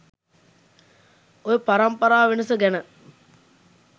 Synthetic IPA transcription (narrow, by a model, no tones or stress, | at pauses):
ojəpaɾɐmpɐɾaːʋenəsəɡɛnə